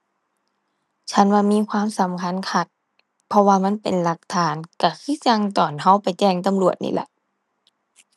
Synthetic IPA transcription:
t͡ɕʰa˦˧˥nwaː˧miː˧˥˨kʰwaː˧˥˨msa˨˦mkʰa˧˥˨nkʰa˧˩t̪̚ | pʰɔ˧waː˧ma˧˥˨npe˨nla˧˦k̚t̪ʰaː˨˦nka˧˩kʰɯː˧˥˨t͡ɕa˧ŋt̪ɔː˨˩nɦa˧˥˨wpa˨˩jt͡ɕɛː˧˩ŋt̪a˨mlu˨˩ət̪̚nḭː˧˩lɛ̰˧ʔ

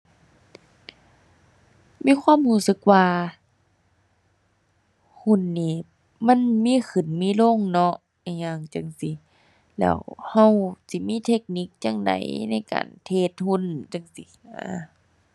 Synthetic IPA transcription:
miː˧˥˨xʰwaː˧˥˨mhuː˧˩˨sɯ˧˦k̚waː˧ | hu˧˩˨nːiː˧˩ | ma˧˥˨nmiː˧˥˨xʰɯ˨˩nmiː˧˥˨lo˧˥˨ŋnɔ˧ʔ | a˧˩ɲa˧˩ŋt͡ɕa˧˨ŋsi˧˦ | lɛ̰ː˧˩wha˧˨wsi˧˦miː˧˥˨t̪ʰe˧k̚ni˧˦k̚t͡ɕa˧˨ŋda̰˨˦jna˧˥˩jka̰ː˨nt̪ʰeː˧˩t̪̚hu˧˥˨nt͡ɕa˧˩ŋsi˧ʔaː˧˩

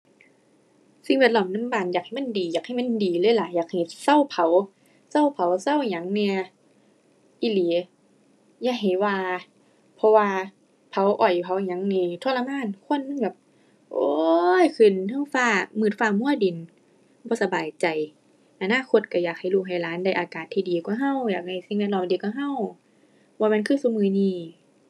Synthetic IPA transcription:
si˧˦ŋwɛ˧t̪̚lɔː˧˩˨mna˧˥˨mbaː˧˩˨njaː˨˩k̚ha˨˩jma˧˥˨ndiː˨˩jaː˨˩k̚ha˧˩jma˧˥˨ndiː˨lɤː˧˥˨jlaː˨˦jaː˨˩k̚ha˨˩jsa˧˨wpʰa˨˦w | sa˧˩˨wpʰa˨˦wsa˧˥˨wɲa˨˦ŋni˧ə | ʔi˧˨li˨˦ | jaː˧˩k̚ɦa˨˩jwaː˧ | pʰɔ˧waː˧ | pʰa˨˦wʔɔ˨˩ju˨˧˩pʰa˨˦wɲa˨˦ŋniː˧˩t̪ʰo˧˥˨la˧maː˧˥˨nkʰo˧˥˨nːɯ˧˨ŋbɛː˧˩˦p̚ | ʔoː˧˦jkʰɯ˨˩˨nha˧˩˨wfaː˧˩mɯː˧˩t̪̚faː˧˩mu˧˥˨ədi˨˩n | bɔː˧˦sa˧baː˨˩jt͡ɕa˨˩j | ʔa˧naː˧˥˨kʰo˧t̪̚ka˧˩jaː˨˩k̚ha˨˩jluː˧˩ɦa˨˩jlaː˨˦nda˧˩˨jʔaː˨kaː˨˩t̪ʰːiː˧diː˨˩kaː˧˦ɦa˧˩˨wjaː˨˩k̚ha˧˩jsi˧˦ŋwɛ˧˩t̚lɔː˧˩ŋdiː˨˩ka˧˦ɦa˧˥˨w | waː˧mɛ˧˥˨nkʰɯː˧˥˨su˧˦˨mɯː˧niː˧˩

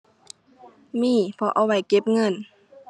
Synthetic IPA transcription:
miː˧˥˨pʰɔ˧ʔa˧˩wa˧˩jke˧˦p̚ŋɤ˧˥˨n

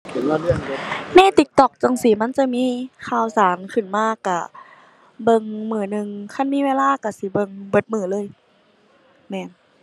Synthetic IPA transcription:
kʰi˨˦na˧˨lɯ˧˩ə˨ŋ˧na˧˥˨t̪i˧˩k̚t̪ɔ˨˧˩k̚t͡ɕa˧˩˨ŋsiː˨˦ma˧˥˨nt͡ɕa˧˨miː˧˥˨kʰaː˧˩wsaː˨˦nkʰɯ˧˩˨nmaː˧˨ka˧˩ | bɤ˧˨ŋmɯː˧˩˦nɯ˧ŋkʰa˧˥˨nmiː˧˥˨weː˧laː˧˥˨ka˧˩si˧˦bɤ˧˨ŋbɤ˧˩˦t̪̚mɯː˧˩lɤː˧˥˨j | mɛː˧˩˨n

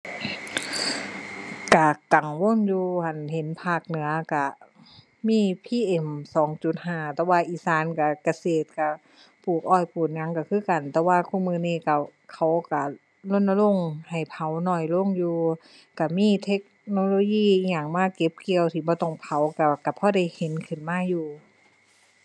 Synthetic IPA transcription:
ka˧˩ka˨˩ŋwo˧˥˨njuː˧hʰa˨˩nhe˨˦npʰaː˧˩k̚nɯ˨˦ɐka˧˩ | miː˧˥˨pʰiː˧˥˨ʔe˧˩msɔː˨˦ŋt͡ɕu˧˩˦t̪̚ɦaː˧˩t̪ɛː˧˦waː˧ʔiː˧˩saː˧˥˨nka˧˩ka˧seː˨˩t̪̚ka˧˩ | pʰuː˨˩k̚ʔɔː˧˩jpuː˨˩t̪̚ŋa˧˥˨ŋka˧˩kʰɯː˧˥˨ka˨˩nt̪ɛː˧waː˧kʰu˧˥˨mɯː˧˨niː˧˨ka˧˩kʰa˧˦wka˧˩ | lo˧˥˨nna˧lo˧˥˨ŋha˨˩jpʰa˨˦wnɔː˧˩jlo˧˥˨ŋjuː˧ | ka˧˩miː˧˥˨t̪ʰe˦˥k̚noː˧loː˧jiː˧˥˨ɲaː˧˩ŋmaː˧˥˨ke˧˦p̚ki˧ə˨wt̪ʰiː˧˩bɔː˧˦t̪ɔ˧˩ŋpʰa˨˦wka˧˩ka˧˩pʰɔː˧˩da˧˩˨jhe˨˦nkʰɯ˧˩˨nmaː˧˥˨juː˧˩

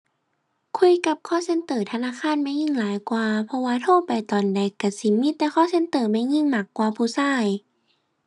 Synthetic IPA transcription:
kʰu˧˥˨jka˧˦p̚kʰɔː˥˩˨se˧˥˨nt̪ɤː˨˩t̪ʰa˧naː˧˥˨kʰaː˧˥˨nma˧˥˩jŋi˧˥˨ŋlaː˨˦jkwaː˧pʰɔ˧waː˧t̪ʰoː˧˥˨pa˨˩jt̪ɔː˨˩ndɛ˨˩˦kːa˧˩si˧˦miː˧˥˨t̪ɛː˧xʰɔː˧˥˨se˧˥nt̪ɤː˨˩ma˧˥˨jŋi˧˥˨ŋmaː˧˩kːwaː˧pʰuː˧˦saː˧˥˩j

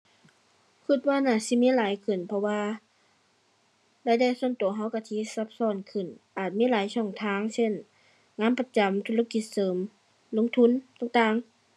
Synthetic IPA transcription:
kʰɯ˧˩t̪̚waː˧naː˧˩si˧˦miː˧˥˨laː˨˦jkʰɯ˨˩npʰɔ˧waː˧ | daː˧˩jda˧˩˨jsu˧˥ənt̪u˨˩˦ɦa˧˥˨wka˧˩t̪ʰiː˧˥˨sa˧˦p̚sɔː˧˥˨nkʰɯ˨˩nʔaː˨˩t̪̚miː˧˥˨laː˨˦jsɔː˧˩ŋt̪ʰaː˧˥˨ŋse˧˥˨n | ŋaː˧˥˨npa˧t͡ɕa˨˦mt̪ʰu˧˥la˧ki˧˦t̪̚sɤː˨˦m | lo˧˥ŋt̪ʰu˧˥˨nt̪aː˧˩ŋt̪aː˧˨ŋ

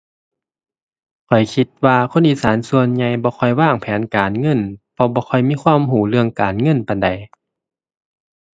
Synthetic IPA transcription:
kʰɔ˨˩jkʰi˧t̪̚waː˧kʰo˧˥˨nʔiː˨saː˨˩˦nsu˧ənɲa˧jbɔː˧˦kʰɔ˧˩jwaː˧˥˩ŋpʰɛː˨˦nkaː˨˩nŋɤ˧˥˨npʰɔ˧bɔː˧˦xʰɔ˧˩jmiː˧˥˨kʰwaː˧˥˨mɦuː˧˩˦lɯ˧əŋkaː˨˩nŋɤ˧˥˨npa˨˩da˨˩j

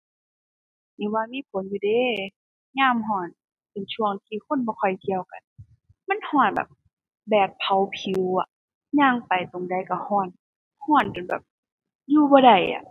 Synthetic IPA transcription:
niː˧˦waː˧miː˧˥˨pʰo˨˦njuː˧deː˧˦ | ɲaː˧˥˨mɦɔː˧˩n | pe˨nt͡ɕʰu˧˩əŋt̪ʰiː˧kʰo˧˥˨nbɔː˧kʰɔ˧˩jt̪ʰi˧˨ə˨wka̰˨n | ma˧˥˨nhɔː˧˩nbɛ̰ː˨˩p̚ | bɛː˨˩t̪̚pʰa˨˦wpʰi˨˦wa˧˩ | ɲaː˧˥˨ŋpa˨˩jt̪o˨˩ŋda˨˩jka˧˩hɔː˧˩n | hɔː˧˩nka˨nbɛ̰˨˩p̚ | juː˧bɔː˧da˨˩jʔa̰˨

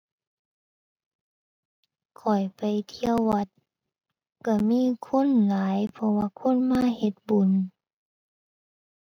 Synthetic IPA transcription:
kʰɔ˨˩jpa˨jt̪ʰi˧əwːa˧˦t̪̚ | ka˧˩miː˧˥˨kʰo˧˥˨nlaː˨˦jpʰɔ˧waː˧kʰo˧˥˨nmaː˧˥˨he˧˦t̪̚bu˨˦n

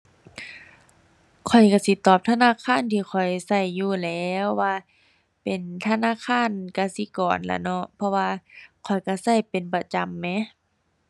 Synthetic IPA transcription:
kʰɔ˨˩jka˧˩si˧˦t̪ɔː˧˨˩p̚t̪ʰa˧naː˧˥˨kʰaː˧˥˨nt̪ʰiː˧˩xʰɔ˨˩jsa˧˩jːuː˧˩lɛː˧˦wːaː˧ | pe˨nt̪ʰa˧naː˧˥˨kʰaː˧˥˨nka˧˩si˧˦kɔː˨˩nla̰˧˩nɔ˧ʔpʰɔ˧waː˧kʰɔ˨˩jka˧˩sa˧˩jpe˨npa˧˩t͡ɕa˨mːɛ˧˥˨

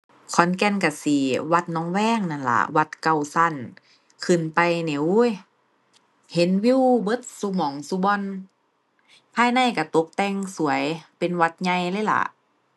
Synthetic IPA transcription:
kʰɔ˨˦nkɛ˧˩˨nka˧˩siː˨˧˩wa˧t̪̚nɔː˧˦ŋwɛː˧˥˨ŋna˧˩nla̰˧˦wa˧˦t̪̚ka˧˩˨wsa˧˩˨n | kʰɯ˧˩npa˧˨jne˧˦wj | he˨˦nwi˧˥˨wbɤ˧˦t̪̚su˧mɔː˨˦ŋsu˧˦bɔ˧˨n | pʰaː˧jna˧˥˨jka˧˩t̪o˧˦p̚t̪ɛ˧ŋsu˨˩˦ɐjpe˨nwa˧˥t̪̚ɲa˧jlɤː˧˥˨jla̰˧˩˦ʔ

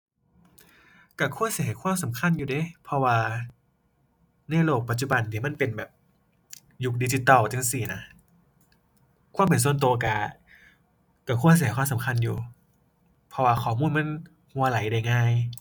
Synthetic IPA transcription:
ka˧˩kʰu˧˥˨t̪si˧˨˦ha˨˦jkʰwaː˧˥˨msa˨˦mkʰa˧˥˨njuː˨˩de˧˦pʰɔ˧waː˧ | na˧˩˨jloː˧˩k̚pa˧˩t̪̚t͡ɕu˧˩ba˧nt̪ʰiː˧˩ma˧˥˨npe˧nbɛː˨˩p̚ | ju˦˧k̚di˧˩t͡ɕi˧˦t̪ɔː˧˩˨t̪ʰa˧˥ŋsiː˧˨˩na˧˦ | kʰa˧˥˨pe˨nsu˧˩ənt̪̬u˧ka˧˩ | ka˧˩kʰu˧˥˩sjkʰwaː˧˥˨sa˨˦mkʰa˧˨njuː˨˩ | pʰɔ˧waː˧kʰɔː˨˩muː˧˥˨nma˧˥˨n | hu˧ɐ˧la˨˦jda˧˩jŋaː˧˥˩j

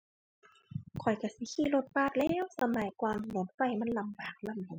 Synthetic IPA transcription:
kʰɔ˨˩jka˧˩si˧˦kʰiː˧˥˨lo˧˩t̪̚paː˧˩t̪̚lɛː˧˨wsa˧maː˨˩jkwaː˧mlo˨˦n̚fa˧˩jma˧˥˨nla˧mbaː˨˩k̚la˧˥˨mlu˨˦

